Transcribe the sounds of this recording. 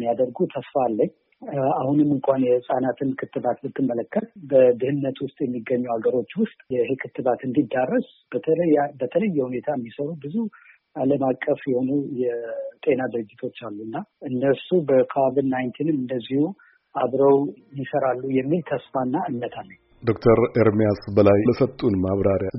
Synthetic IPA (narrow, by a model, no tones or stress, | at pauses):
mːijad̪əɾɡut̪ʰəsfalːəɲː | ahunɨmːɨŋkʷʰanjɛsʼanat̪ʰɨnkʰɨt̪ʰːɨβat̪mɨt̪ːɨmːələkːət̪bəd̪ɨhɨnːət̪wʊst̪ʼjɛmːiɡːəɲːuaɡəɾo̞t͡ʃːwʊst̪ʼjɛhekʰɨt̪ːɨβat̪ɨnd̪id̪ːarːəs | bəbət̪ʰələjːɛhune̞t̪ʰaɛmːisəɾubɨzu | aləmakʼːəfjɛho̞nujɛt̪ʼe̞nad̪ɨɾɨd͡ʒːɪt̪ʰo̞t͡ʃːalːuɨnːaɨnːəsubəkʰovidnajnt̪ʰinmɨnd̪əzːihu | aβɾəwnːisəɾalːujɛmːilt̪ʰəsfanːaɨnːət̪ʰalːəɲ | d̪o̞kt̪ʰəɾeɾmijasbəlajləsət̪ʼːunmaβɾaɾja